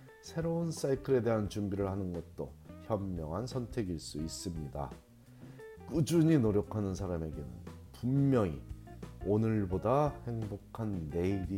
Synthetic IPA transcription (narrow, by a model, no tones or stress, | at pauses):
sʰe̞ɾouns͈aikʰɯɾe̞de̞ɦant͡ɕumbiɾɯɭhanɯnɡʌt̚t͈oçjʌmːjʌŋɦansʰʌntʰe̞ɡiɭs͈uis͈ɯmɲida̰ | k͈ud͡ʑuɲinoɾjokʰanɯns̬ʰaɾame̞ɡe̞nɯ̰n | pumːjʌŋḭonɯɭbodahe̞ŋbokʰanːe̞iɾi